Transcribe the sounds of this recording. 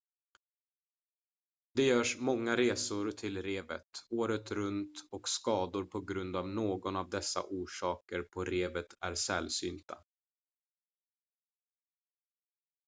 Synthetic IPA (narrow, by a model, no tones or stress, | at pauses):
d̪ɛjœːʂmɔŋːaɾeːsʊɾt̪ʰɪlɾeːvə̰t̪oːɾət̪ɾɵnt̪ɔkskɑːd̪ʊɾpʰɔɡɾɵnd̪avnoːɡɔnavd̪ɛsːa̰ʔuːʂɑːkəɾpʰɔɾeːvət̪æɾsɛlsy̰ːnt̪ʰa̰